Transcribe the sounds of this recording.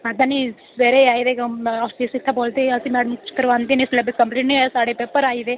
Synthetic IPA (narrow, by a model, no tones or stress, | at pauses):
ad̪ãnisʋeːɾeaːid̪eːkapiːsɪt̪ʰːaːboːlt̪eːəsĩːmɛːɽəmt͡ʃɪ̥t̪ːəɾʋãːnd̪eːnislebɪskə̃mpliːʈnisaːɽeːpeːpəɾaːiːd̪eː